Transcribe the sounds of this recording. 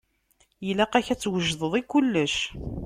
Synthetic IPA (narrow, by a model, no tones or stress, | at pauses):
jəlæqæçæt͡sːwəʒðˤəðˤikːulːəʃ